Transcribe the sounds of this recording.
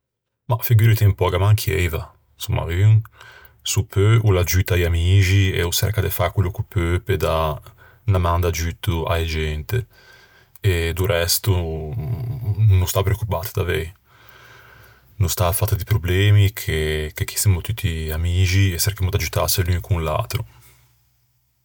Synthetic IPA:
mafiɡuɾit̪empɔɡamaŋkʰiɛ̰jva | sumːa̰yŋ | supʰːøulad͡ʒyt̪ajamiːd͡ʒiḛusɛ̰ɾkad̪efakulːokupʰøped̪a | namand̪ad͡ʒyt̪ːua̰jad͡ʒɛnt̪e | ed̪uɾɛst̪u | nust̪apɾeokːupat̪d̪avɛj | nust̪afat̪ːad̪ipɾoblɛːmikʰekekʰːi̥simot̪yt̪ʰːiamiːd͡ʒiesɛrkamod̪ad͡ʒut̪a̰selyŋkuŋla̰t̪ɾu

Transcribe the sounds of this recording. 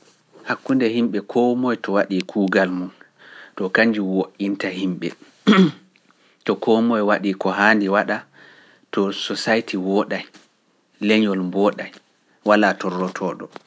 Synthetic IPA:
hakːundɛhimɓɛkʰɔmɔjtɔwaɗikʰuːɡalmun | tɔkaɲd͡ʒiwoʔintahimɓɛ | tɔkʰɔmɔjwaɗiːkɔɦaːndiwaɗa | tɔsɔsajtiwɔɗaj | lɛɲɔlmbɔɗaj | walatɔrːɔtʰɔːɗɔ

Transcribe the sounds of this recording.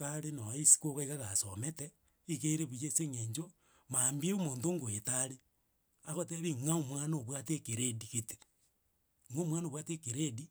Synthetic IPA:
aɾenoisi̥koɣaiɣaɣasomete | ikeɾeβujeseŋeɲd͡ʒo | mambieomoːntoːŋɡoetaɾe | aɣoteβiŋaomwanoβwatekeɾediɣete̥ | ŋomwanowatekeɾedi

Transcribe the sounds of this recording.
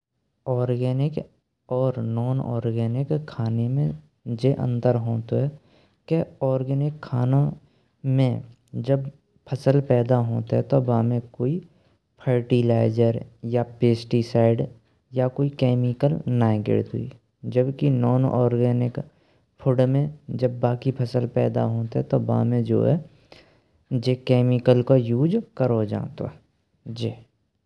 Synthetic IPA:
ɔːɾɡɛːnɪk | ɔːɾnɔːnɔ̰ːɾɡɛːnɪkʰːaːnemẽ | d͡ʒeʔə̰̃nd̪əɾɦoːt̪ɦɛ | keɔːɾɡɛːnɪkʰːaːnã | mẽ | d͡ʒəb | pʰəsəlpɛːd̪aɦoːt̪ɦɛt̪obaːmẽkoːi | pʰəɾʈilaːɪd͡ʒəɾjapeːsʈisaːɪɖ | jakoːikɛːmɪkəlnaːɪɡɪ̰ɽt̪ɦʊ̰ḭ | d͡ʒəbkinɔːnʔɔːɾɡɛːnɪk | pʰʊɽmẽd͡ʒəbːaːkipʰəsəlpɛːd̪a̰ɦoːt̪ɛt̪oba̰ːmẽd͡ʒo̰ːɦɛ̰ | d͡ʒekɛːmɪkəlkojuːd͡ʒkəɾod͡ʒã̰ːt̪o̰ | d͡ʒiː

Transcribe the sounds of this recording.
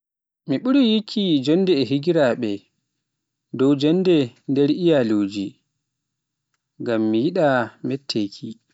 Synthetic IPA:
miɓuɾijikʰːid͡ʒɔnːdɛːɦiɡiɾaɓɛ | dɔwd͡ʒɔnːdɛndɛɾijaloːd͡ʒi | ɡamːijiɗamɛtʰːeːkʰi

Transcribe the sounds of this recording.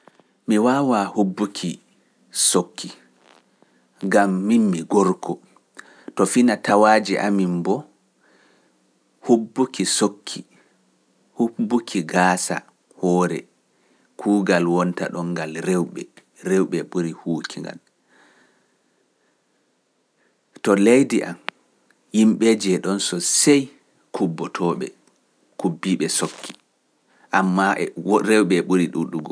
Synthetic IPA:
miwaːwahubːukʰi | sokʰːi | ɡamːinmiɡɔɾkʰɔ | tɔfinatawaːd͡ʒiʔa̰mimbɔ | hubːukisokʰːi | hubːukʰiɡaːsa̰ | hɔːɾɛ̰ | kʰuːɡalwɔnta̰ɗɔŋɡalɾɛwɓɛ | ɾewɓɛɓuɾihuːkʰiŋɡa̰l | tɔlejdiʔa̰m | himɓɛd͡ʒɛɗɔnsɔsɛj | kʰubːɔtʰɔɓɛ̰ | kubːiɓɛsokʰːi̥ | ʔamːaʔɛɾɛwɓɛɓuɾiɗuɗuɡɔ

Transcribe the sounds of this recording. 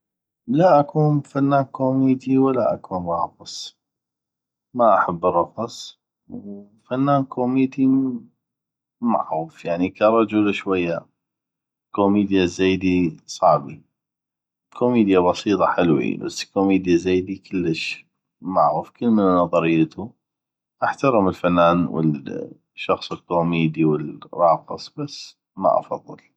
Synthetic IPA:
laʔakuːnfanːaːnkoːmiːd̪iwalːaʔakuːnrˤɑːfɑsˤ | maʔaħabːɨrˤːɑfɑsˤ | w | fanːaːnkʰoːmiːd̪i | ma̰ʕuːfjaʕnikɑɾˤɑd͡ʒulaʃwajːa | koːmiːd̪jazaːd̪isˤɑʕbi | kʰoːmiːd̪jaβɑsˤiːt̪ˤɑħɪlwḭba̰sːkoːmiːd̪jazaːd̪ikʰəlːəʃ | maʕuːfkəlmənnɑðˤɑɾɪjːat̪u | ʔaħt̪ɑɾəmɪlfanːaːnwə̰ | ʃɑxsˤɪlkoːmiːd̪iwəlɾˤɑːqɨ̰sˤb̥asː | ma̰ʔɑ̰fɑðˤːɨ̰l

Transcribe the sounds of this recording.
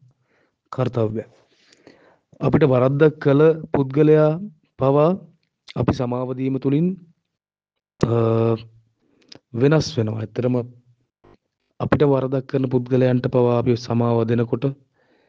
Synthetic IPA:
kʰaɾt̪aʋɡa | apiʈəʋaɾad̪ːakːələput̪̚ɡəlejaː | paʋaː | pisamaːʋɐd̪iːmət̪ulin | ʋenasʋenoʋa̰et̪ːəɾəmə | apiʈəʋaɾad̪akːəɾənəput̪ɡəlejaɳʈəpaʋaːpisamaːʋɐd̪enəkoʈə

